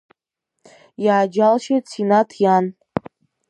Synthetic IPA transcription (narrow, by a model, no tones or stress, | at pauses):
jaːd͡ʒalʃet͡sʰinatʰjan